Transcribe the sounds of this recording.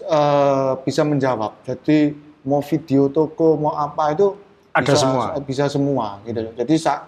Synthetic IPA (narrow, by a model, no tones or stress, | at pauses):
əb̥isaməɲd͡ʒawap̚d͡ʒ̥ad̪̥imɔfid̪̥eot̪okomʔapait̪u | badi̥asasəmuab̥isasəmuaɡit̪uld͡ʒadisaʔ